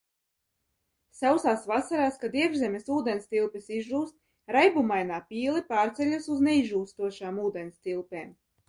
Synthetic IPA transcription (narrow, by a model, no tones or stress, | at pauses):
sawsaːsvasaɾaːskad̪iɛbʒzɛmʲesuːd̪ɛnst̪ilˠpisizuːst̪̚ | ɾajbumajnaːpʲiːlˠipaːɾt̪sʲɛlʲusuznɛiʒuːst̪uɔʃaːmuːd̪ɛnst̪ilˠpeːm